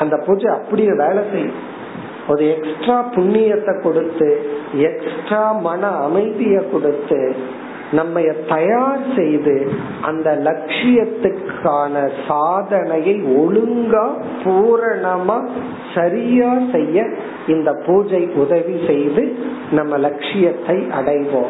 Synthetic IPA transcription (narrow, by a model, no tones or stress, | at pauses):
ɐnd̪ɐpuːd͡ʒɐɪɐpːɐɽɪjɐ̃ʋeːlɐsɛjːɯ̃ | ɔɾɯɛksʈɾaːpʊɳːɪjɐt̪ːɐkːɔɽɯt̪ːɯɛksʈɾaːmɐnɐːmɐɪðɪjɐkːɔɽɯt̪ːɯ | nɐmːɐjɐt̪ɐjaːɾsɛjðɯ | ʔɐ̰nd̪ɐlɐkʂɪjɐt̪ːɯkʰaːnɐsaːðɐnɐjɐɪɔɻɯŋɡaː | puːɾɐɳɐmaː | sɐɾɪjaːsɛjːɐ | ɪnd̪ɐpuːd͡ʒɐɪʔʊðɐʋisɛjðɯ | nɐmːɐlɐkʂɪjɐt̪ːɐɪʔɐ̰ɽɐɪʋoː